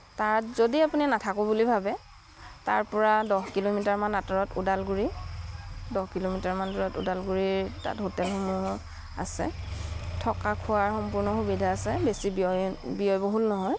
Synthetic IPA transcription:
taɹtzodiapuninatʰakʊbulibʱabɛ | taɹpɔɹadɔhkilomitaɹmanːatɔɹɔtudalɡuɹi | dɔhkilomitaɹmanduɹɔtṵdalɡuɹiɹta̰tɦotɛlxumu | a̰sɛ̰tʰɔkakʰuwaɹxɔmpʊɹnɔxubidʱaːsɛbesibiɔbiɔjboɦulnɔɦɔj

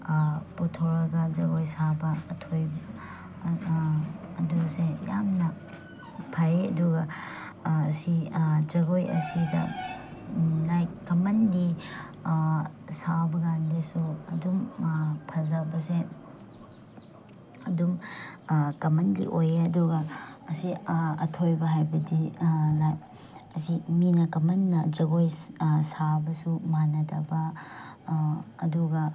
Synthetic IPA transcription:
putʰoɾɐɡɐd͡ʒɐɡojsabɐːtʰojb | ɐdusejamnɐ | pʰɐɾeɐ̰duɡɐː | sid͡ʒɐɡojɐ̰sidɐ̰ | lajkɐmɐndi | sabɐɡandesuɐ̰dumpʰɐzɐbɐse | ɐdum | kɐmɐndḭʔojeɐduɡɐːsiɐ̰tʰojbɐɦajbɐdilaj | ɐsiminɐkɐmɐnːɐd͡ʒɐɡojsabɐsumanɐdɐbɐ | duɡɐ

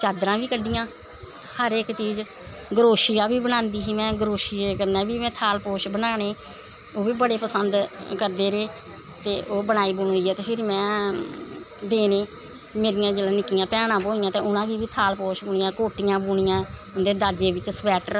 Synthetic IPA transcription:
t͡ʃaːd̪ɾãːʋiːkəɖɪjãː | həɾɪkt͡ʃiːz | ɡəɾoːʃijaːʋiːbənãːnd̪iːsiːmɛ̃ːɡəɾoːʃiekəɾnaːbiːmɛ̃ːt̪ʰaːlpoːʃbənaːñeː | oːʋiːbəɽeːpəsənd̪kəɾd̪eːɾeː | t̪eːʔoːbənaːiːbuːnoːiːɛːt̪eːpʰɪɾmɛ̃ː | d̪eːnẽː | meːɾɪjãːd͡ʒeːlãːnɪkːɪjãːpɛːɽ̃ãːboːɪjãːt̪eːʊnãːɡiːʋiːt̪ʰaːlpoːʃbʊɳɪjãːkoːʈɪjãːbuːɳɪjãː | ʊnd̪eːd̪aːd͡ʒeːʋɪt͡ʃsbɛːʈəɾ

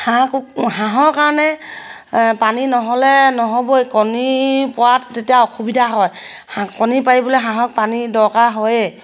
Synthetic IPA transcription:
hakuɦaɦɔkaɹɔnɛ | paninɔɦɔlɛnɔɦɔbojkɔnipɔɹattetijaɔxubidʱaɦɔjakɔnipaɹibɔlɛɦãɦɔk̚panidɔɹkaɦɔje

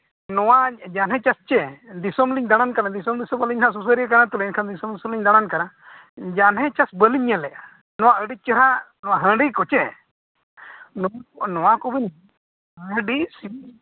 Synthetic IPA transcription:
nɔwad͡ʒanɦɛ̃t͡ʃast͡ʃɛd̪isɔmliɲd̪aɽ̃ankanad̪isɔmd̪isɔbəliɲnas̬us̬əɾiəkanat̪ulɛnkʰand̪isɔmd̪isɔmliɲd̪aɽ̃ankana | d͡ʒanɦɛ̃t͡ʃasbəliɲːɛlɛʔ | nɔwaəɖit͡ʃəɾanɔwaɦə̃ɖikɔt͡ʃɛ | nnɔwakɔbin | əɖisi

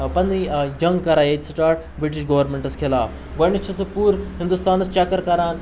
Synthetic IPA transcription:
pɐnid͡ʒɐŋɡkɐɾaːjetsʈaːʈ | bɾiʈiʃɡɐʋɐɾmeɳʈɐskʰelaːf | ʋɐnit͡ʃʰɐsɐpuːɾɦind̪ust̪aːnɐst͡ʃɐkɐɾkɐɾaːn

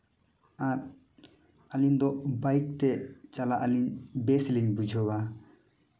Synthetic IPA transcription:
at̚ | alind̪ɔbajk̚t̪ɛt͡ʃalaʔaliɲbɛsliɲbud͡ʒʱɔba

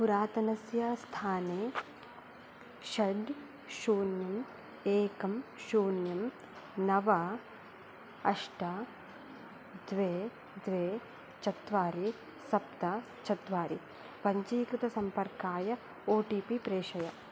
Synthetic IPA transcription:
puɾaːt̪ɐnɐsjɐst̪ʰaːneː | ʃɐɖ | ʃuːnjɐm | eːkɐmʃuːnjɐm | nɐʋɐ | ɐʂʈɐ | d̪ʋeː | d̪ʋeː | t͡ʃɐt̪ʋaːɾi | sɐp̚t̪ɐ | t͡ʃɐt̪ʋaːɾi | pɐɲt͡ʃiːkɾɪt̪ɐsɐmpɐɾkaːjɐ | oːʈiːpipɾeːʂɐjɐ

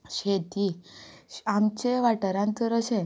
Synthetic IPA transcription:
ɕed̪i | amt͡ɕeʋaʈəɾãnt̪əɾəɕẽ

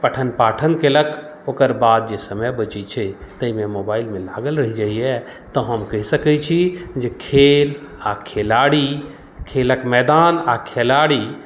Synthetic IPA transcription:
pəʈʰənpaːʈʰənkeləkʰokəɾbaːd̪̚d͡ʒesəməjbət͡ʃit͡ʃʰɛt̪əimẽmobaːɪlmẽla̰ːɡəlɾəɦid͡ʒaiɛ | t̪ɔɦəmkəɦisəkɛt͡ʃʰid͡ʒekʰelakʰelaɽi | kʰeləkmɛːd̪aːnakʰelaːɽi

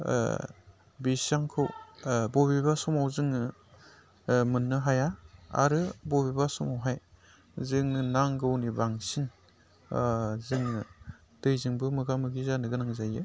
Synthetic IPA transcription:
bisaŋkʰɯwbobibasɔmawzɯŋnɯ | mɯnːɯɦajaa̰ɾɯbobibasumawɦaj | zɯŋnɯnaŋɡɯwnibaŋsin | zɯŋnɯ | d̥ɯjzɯŋbɯmɯɡamɯɡizanɯɡɯnaŋzajɯ

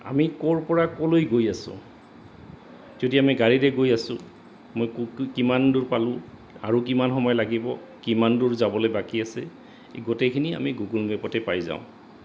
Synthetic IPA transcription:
a̰mikɔɹpɔɹakɔlojɡojasʊ̰̃ | z̥odiamiɡaɹiɹɛɡojasʊ̰̃ | mojkimanduɹpalʊ̃ | aɹuk̬imanxɔmɔjlaɡibɔ | kimanduɹzabɔlojbakiasɛ̰ | ɡotɛkʰinia̰miɡuɡulbɛpɔtɛpajza̰ʊ̃

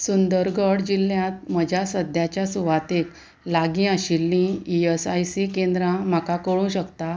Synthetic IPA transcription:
sund̪əɾɡəɽd͡ʑilːjãt̪̚m̤əd͡ʑʱjasəd̪ʱjat͡ɕjasuʋat̪ek | laɡĩaɕilːĩiesajsikend̪ɾãm̤akakəɭũɕəkt̪a

